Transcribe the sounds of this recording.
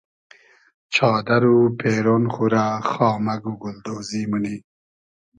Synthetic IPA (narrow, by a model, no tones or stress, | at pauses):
t͡ʃʰɑːd̪aɾupʰeːɾonxuɾaxɑːmaɡuɡʊld̪oːzimuni